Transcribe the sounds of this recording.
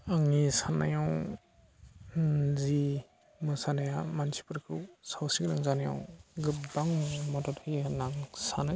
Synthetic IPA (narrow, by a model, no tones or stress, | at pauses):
aŋisana̰jaw | zi | mɯsanajamansi̥pɯɾkʰɯwsawsiknaŋzanaja̰wɡɯpbaŋmɔdɔtʰɯjanaŋsanɯ